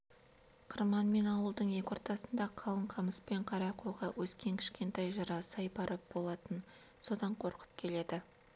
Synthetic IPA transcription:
qʰəɾmɑnme̞nɑwəlˠd̪əɴje̞kʲo̞ɾt̪ɑsənd̪ɑqʰɑlˠəɴqʰɑməspe̞ɴqʰɑɾɑqoʁɑwʔɵskʲe̞ŋkʲʰɪ̥ʃkʲe̞nt̪ɑjʒɑɾɑsɑjbɑɾəp̚bo̞lˠɑt̪ən | so̞d̪ɑɴqʰo̞ɾqə̥p̚kʲʰe̞le̞d̪ɪ

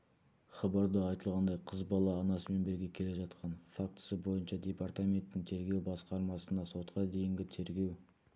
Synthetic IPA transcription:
χɑbɑɾd̪əɑjt̪əlˠʁɑnd̪ɑjqʰəzbɑlˠɑːnɑsəme̞nbɪɾɡʲe̞kʲʰe̞le̞ʒɑt̪qɑnfak̚t̪ə̥səbo̞jənʃɑd̪ʲe̞part̪amʲe̞nt̪ːɪŋt̪ʰe̞ɾɡʲe̞wbɑsqɑɾmɑsənd̪ɑso̞t̪qɑd̪e̞jɪŋɡʲɪt̪ʰe̞ɾɡʲe̞w

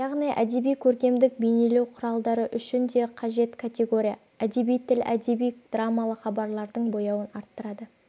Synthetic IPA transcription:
jɑʁnijʔæd̪e̞bijkʲʰɵɾkʲe̞md̪ɪk̚bejne̞lewqʰʊɾɑlˠd̪ɑɾəʔʏʃɪnd̪e̞qʰɑʒe̞t̪kʰat̪ʲe̞ɡo̞ɾʲija | æd̪e̞bijt̪ʰɪlæ̰d̪e̞bijd̪̥ramːalˠəχɑbɑɾlˠɑɾd̪əɴbo̞jɑwənɑɾt̪ːəɾɑd̪ə

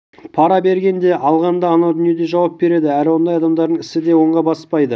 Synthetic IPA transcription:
pʰɑɾɑbe̞ɾɡʲe̞nd̪e̞ʔɑlˠʁɑnd̪ɑːnɑwd̪ʏnije̞d̪e̞ʒɑwɑp̚be̞ɾe̞d̪ɪæɾɪwo̞nd̪ɑjɑd̪ɑmd̪ɑɾd̪əŋɪsɪd̪e̞wo̞ɴʁɑbɑspɑjd̪ə

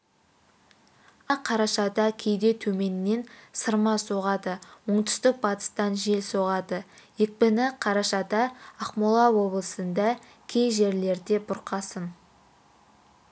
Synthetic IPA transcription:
ɑqʰːɑɾɑʃɑd̪ɑkʲʰe̞jd̪e̞t̪ʰɵme̞nːe̞nsəɾmɑso̞ʁɑd̪əwoɴt̪ʏ̥st̪ɪk̚bɑt̪ə̥st̪ɑnʒe̞lsoʁɑd̪əjek̚pɪnɪqʰɑɾɑʃɑd̪ɑːqmolˠɑwo̞blˠəsənd̪ɑ | kʲʰejʒe̞ɾle̞ɾd̪e̞bʊɾqɑsən

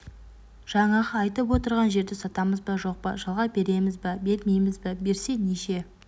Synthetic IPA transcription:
ʒ̥ɑɴɑʁɑːjt̪əpwo̞t̪əɾʁɑnʒe̞ɾd̪ɪsɑt̪ɑməzbɑʒo̞q̚pɑ̰ʒɑlˠʁɑbe̞ɾe̞mɪzbɑbe̞lmejmɪzbɪbe̞ɾse̞neʃe̞

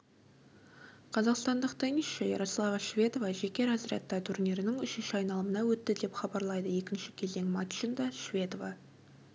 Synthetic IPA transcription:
qʰɑzɑqst̪ɑnd̪əqt̪ʰɪŋɪsʃejeɾo̞slˠɑvɑʃvʲe̞t̪o̞vɑʒe̞kʲe̞ɾæzɪɾɑ̰t̪ːɑt̪ʰʊɾneɾɪnɪŋʏʃɪnʃɪɑjnɑlˠəmənɑwɵt̪ːɪd̪e̞pχɑbɑɾlˠɑjd̪əje̞kʲɪnʃɪ̥kʲʰe̞ld̪eŋmɑt̪ʃind̪ɑʃvʲe̞t̪ovɑ

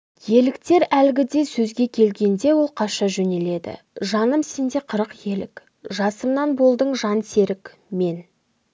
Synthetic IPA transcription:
je̞lɪkt̪e̞ɾælɡʲɪd̪e̞sɵzɡʲe̞kʲʰe̞lɡʲe̞nd̪e̞wo̞lˠqʰɑʃɑʒɵne̞le̞d̪ɪ̰ | ʒɑnəmse̞nd̪e̞qʰəɾəqje̞lɪ̰k | ʒɑsəmnɑnbo̞lˠd̪əɴʒɑnse̞ɾɪkʲ | me̞n

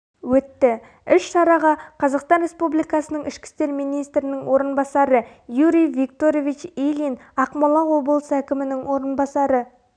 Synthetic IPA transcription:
wɵt̪ːɪ | ʏʃʃɑɾɑʁɑqʰɑzɑqst̪ɑnɾe̞spublijkɑsənəɴɪʃkʲɪ̥st̪e̞ɾmijnijst̪ɾɪnɪŋwʔo̞ɾənbɑsɑɾə | juɾʲijvikt̪oɾovit͡ʃilinɑqmɑlˠɑwo̞bəlˠsəækʲɪmɪnɪŋwo̞ɾənbɑsɑɾə

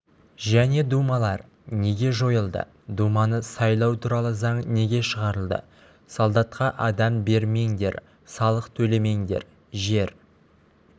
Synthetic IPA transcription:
ʒæne̞d̪umɑlˠɑɾ | ne̞ɡʲe̞ʒo̞jəlˠd̪ə̰ | d̪umɑnəsɑjlˠɑwt̪ʰuɾɑlˠəzɑɴne̞ɡʲe̞ʃəʁɑɾəlˠd̪ə̰ | sɑlˠd̪ɑt̪qɑʔɑd̪ɑmbe̞ɾme̞ŋd̪e̞̰ɾ | sɑlˠəqt̪ʰɵle̞me̞ŋd̪e̞̰ɾ | ʒe̞ɾ

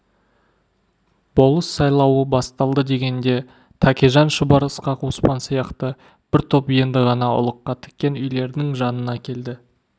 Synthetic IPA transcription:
b̥o̞lˠəsːɑjlˠɑwəbɑst̪ɑlˠd̪əd̪e̞ɡʲe̞nd̪e̞ | t̪ʰɑkʲeʒɑnʃəbɑɾəsqɑqʰospɑnsijɑqt̪ə | b̥ɪɾt̪ʰo̞pje̞nd̪ɪʁɑnɑʊ̰lˠəqːɑt̪ʰɪ̥k̚ʲːe̞nʏjle̞ɾnɪŋʒɑnənɑkʲʰe̞ld̪ɪ

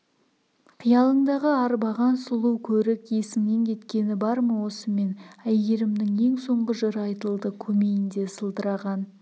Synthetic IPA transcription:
qʰijɑlˠəɴd̪ɑʁəɑɾbɑʁɑnsʊlˠuwkʲʰɵɾɪkje̞sɪmne̞ŋkʲʰe̞t̪kʲe̞nɪbɑɾməwo̞səme̞næjeɾɪmnɪŋe̞ŋso̞ɴʁəʒeɾɑjt̪əlˠd̪əkʲʰɵme̞jɪnd̪e̞səlˠd̪əɾɑʁɑn

